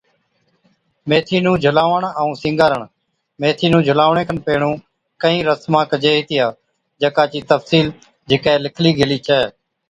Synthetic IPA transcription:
meːt̪ʰiːnũːd͡ʒʱəlaːʋəɳəũːsɪ̃ːŋɡaːɾəɳ | meːt̪ʰiːnũːd͡ʒʱəlaːʋɳẽːkʰənpeːɳũː | kəĩːɾəsmãːkəd͡ʒeːɦiːt̪ɪjaː | d͡ʒəkaːt͡ʃiːt̪əfsiːl | d͡ʒɪkɛːlɪkʰliːɡʱeliːt͡ʃəeː

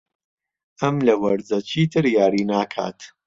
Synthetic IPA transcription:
ʔɐmlɐwɐɾzɐt͡ʃʰiːt̪ʰɨɾjaːɾiːnaːkʰa̰ːt̪

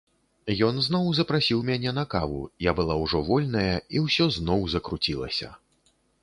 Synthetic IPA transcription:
jɔnznɔwzɐpɾasʲiwmʲanʲɛnɐkavṵjabɨlˠawʐɔvɔlʲnɐjɐiwsʲɔznɔwzɐkɾut͡sʲilˠɐ̰sʲɐ̰

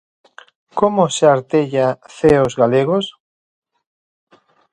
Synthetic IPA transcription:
komoseaɾt̪eʎaθeozɣaleɣos

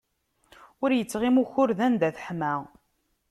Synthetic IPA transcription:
ʊɾjət͡sːʁimuçʊɾðænd̪æθħmæ

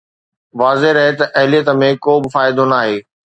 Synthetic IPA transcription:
ʋaːzeɾɐɦet̪ɐʔɐɦɪlijət̪əmẽkoːbɪfaːɪd̪onaːɦeː

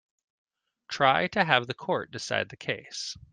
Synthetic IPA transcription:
tʰɹ̥aɪɾɨəvðɨkʰɔɹt̚d̥ɨsa̰ɪd̪̚ðɨkʰeɪs

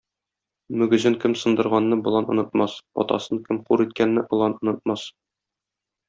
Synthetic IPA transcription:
mɵ̆ɡɘ̆zɘŋkɘmsoɤ̆nd̪ɤ̆ɾʁɑnːɤbŏlˠɑnɤ̆nɤ̆t̪mɑsɒ̰t̪ɑ̰sɤŋkɘmquɾit̪̚kænːɘʔŏlˠɑnŏnɤ̆t̪̚mɑs

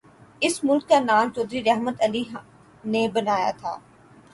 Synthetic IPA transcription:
ɪsmʊlkːanaːmt͡ʃoːd̪ɾiɾɛɦmət̪ɐliɦ | nebɐnaːja̰t̪ʰa̰ː

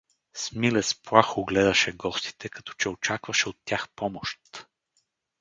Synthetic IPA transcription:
smilɛspɾaxoɡlɛd̪ɐʃɛɡɔst̪i̥t̪ʰɛkɐ̥t̪ɔ̥t͡ʃɛot͡ʃakvɐʃɛot̪ʲːjaxpɔmoʃt̪

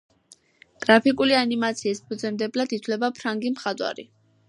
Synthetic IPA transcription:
ɡ̥ɾapʰikʼulianimat̪sʰiːspʰud̪zɛmd̪ɛblad̪it̪ʰlɛbapʰɾaŋɡimχad̪wa̰ɾḭ

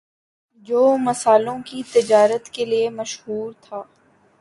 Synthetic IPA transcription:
d͡ʒoːmɐsaːlõkit̪ɪd͡ʒaːɾət̪keliemɐʃɦuːɾt̪ʰaː

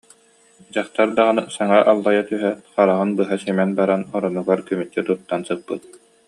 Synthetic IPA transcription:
d͡ʑaχt̪aɾd̪aʁɯnɯsaŋaʔalˠːajat̪yɦɛt̪χaɾaʁɯnbɯɦasimɛnbaɾanɔɾɔnuɡaɾkymyt̪ːɛt̪uɾt̪ːansɯpːɯt̪̚

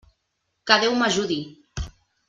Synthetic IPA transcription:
kaðewmaʒuði

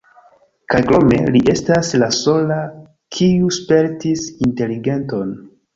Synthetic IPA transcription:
kajkɾo̞me̞̰liʔe̞staslaso̞la | kʰiuspe̞ɾtisinte̞liɡe̞nto̞n

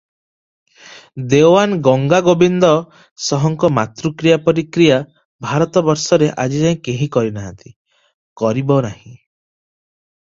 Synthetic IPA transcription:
d̪ewanɡɔŋɡaɡobind̪ɔ | sɔɦɔŋkɔmat̪ɾukɾijapɔɾikɾija | bʱaɾɔt̪ɔbɔɾsɔɾeʔad͡ʒid͡ʒaĩkeɦĩkɔɾinaɦant̪i̥ | kɔɾibɔnahĩ

